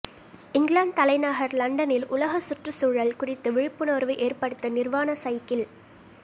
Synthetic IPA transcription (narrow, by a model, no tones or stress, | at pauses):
ɪŋɡlaːɳɖ̚t̪ɐlɐɪnaːɣɐɾlɐɳɖɐnɪlʊlɐɣɐsʊʈrɯsuːɻɐlkʊrɪt̪ːɯʋɪɻɪpːɯnoːɾʋɐɪʔeːrpɐɽɯt̪ːɐnɪrʋaːnɐsɐjkːɪl